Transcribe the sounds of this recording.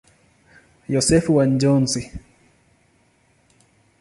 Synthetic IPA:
jɔsɛfuwand͡ʒɔnsi

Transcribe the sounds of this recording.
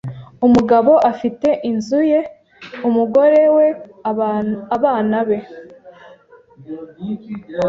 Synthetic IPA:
umuɡaβo̞ʔafite̞ʔinzuje̞ | umuɡo̞ɾe̞we̞ | aβaːnaβe̞

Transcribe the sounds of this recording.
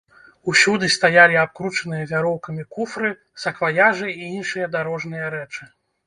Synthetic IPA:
usʲud̪ɨst̪ajalʲiap̚kɾut͡ʂɐnɨjɐvʲaɾɔwkɐmʲikufɾɨ | sɐkvajaʐɨiinʂɨjɐd̪aɾɔʐnɨjɐɾɛt͡ʂɨ

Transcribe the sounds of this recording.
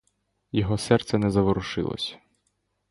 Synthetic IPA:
jɔɦɔsɛrt̪sɛnɛzɐʋɔɾʊʃɪ̰lˠɔ̰sʲɐ̥

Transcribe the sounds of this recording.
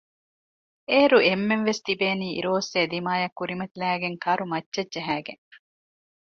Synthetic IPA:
eːɾuemːenʋest̪ibeːniːḭɾoːseːd̪imaːjɐkːuɾimɐt̪ilæːɡeŋkɐɾumɐtːt͡ʃɐdd͡ʒɐɦæːɡḛŋ

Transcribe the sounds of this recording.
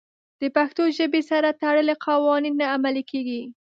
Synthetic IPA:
d̪̥əpaxt̪oʒəbesaɾat̪aɽəleqʰawɑninːaːmalikeɡi

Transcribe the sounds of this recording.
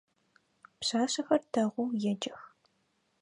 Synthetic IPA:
pɕaːɕɐxɐrdʰɐʁʷʊːjɛd͡ʒɐx

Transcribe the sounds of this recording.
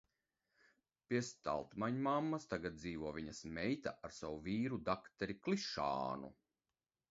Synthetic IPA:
pʲiɛst̪a̰lˠt̪maɲmamːast̪aɡat̪̚d̪ziːvuɔviɲɐsmɛjt̪aʔaɾsawuviːɾud̪akt̪ɛɾiklˠiʃa̰ːnṵ

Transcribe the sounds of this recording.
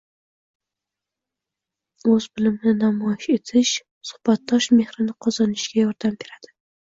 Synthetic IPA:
ɵzbɪlɪmnɪnamɒjɪʃe̞t̪ʰɪʃ | sʊ̥hb̥at̪̚d̪ɒʃme̞hɾɪnɪqʰɒzɑnɪʃɡʲajɒɾd̪ambe̞ɾad̪̥ɪ

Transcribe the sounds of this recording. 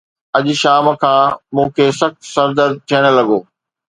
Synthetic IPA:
ɐʄ̆ʃaːmkʰãːmũːkʰeːsɐxt̪sɐɾd̪əɾd̪̚t̪ʰijəɽ̃̆lɐɡoː

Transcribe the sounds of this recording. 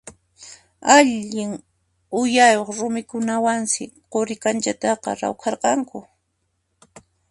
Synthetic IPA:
aʎɪŋ | ʊjajoχɾʊmɪkʊnawansɪqoɾɪkant͡ʃat̪ɑqɑ̰ɾa̰wkɑɾqɑŋkʊ

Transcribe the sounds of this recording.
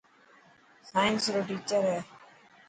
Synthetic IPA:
saːjɪnsɾoːʈiːt͡ʃəɾɦɛː

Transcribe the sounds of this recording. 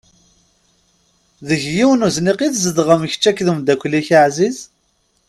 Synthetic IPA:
ðəʝjiwnuzniqiθzəd̪ʁəmç̥t͡ʃːækðumd̪ækʷlːiçaʕziz̥

